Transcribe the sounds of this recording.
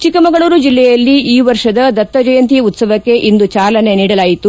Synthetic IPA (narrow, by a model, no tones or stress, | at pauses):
t͡ʃikːɐmɐɡɐɭuːɾud͡ʒilːɛjɐlːiiːʋɐɾʂɐd̪ɐd̪ɐt̪ːɐd͡ʒɐjɐnt̪ijɐut̪sɐʋɐkːe̞ʔind̪ut͡ʃaːlɐne̞niːɽɐlaːjit̪u